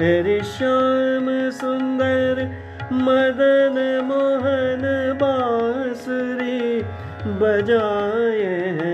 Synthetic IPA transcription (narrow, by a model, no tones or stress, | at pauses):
ɦeɾiʃaːmsʊnd̪əɾ | mɐd̪ənmoɦənbaːsɾi | bɐd͡ʒaːjeɦ